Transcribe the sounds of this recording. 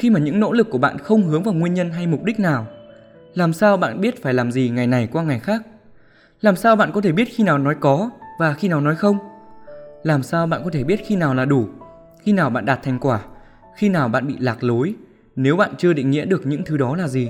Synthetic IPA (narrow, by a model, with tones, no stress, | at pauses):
xi˧maː˨˩ɲɨ̰˧˥ŋno̰˧˥lɨ˨˩kːu˧˩əɓa̰ː˧˨nxə˧wŋ͡mhɨ˨˦əŋvaː˨˩wŋwi˧ənɲə˧nɦa˧jmʊ˨˩k͡p̚ɗi˦˥k̚naː˨˩w | laː˨˩msaː˧wɓa̰ː˧˨nɓi˦˥ət̚faː˧˩jlaː˨˩mzi˨˩ŋa˨˩jna˨˩jkwaː˧ŋa˨˩jxaː˦˥k̚ | laː˨˩msaː˧wɓa̰ː˧˨nkɔ˨˦t̪ʰe˧˩ɓi˦˥t̚xi˧naː˨˩wnɔ˨˦jkɔ˨˦vaː˨˩xi˧naː˨˩wnɔ˨˦jxə˧wŋ͡m | laː˨˩msaː˧wɓa̰ː˧˨nkɔ˨˦t̪ʰe˧˩ɓi˦˥ət̚xi˧naː˨˩wlaː˨˩ɗu˧˩ | xi˧naː˨˩wɓa̰ː˧˨nɗaː˨˩t̚t̪ʰa˨˩ŋ̟kwaː˧˩ | xi˧naː˨˩wɓa̰ː˧˨nɓḭ˧˨laː˨˩k̚lo˨˦j | ne˨˦wɓa̰ː˧˨nt͡ɕɨ˧əɗḭ˧˨ŋḭ˧˥əɗɨ˨˩ək̚ɲɨ̰˧˥ŋt̪ʰɨ˨˦ɗɔ˨˦laː˨˩zi˨˩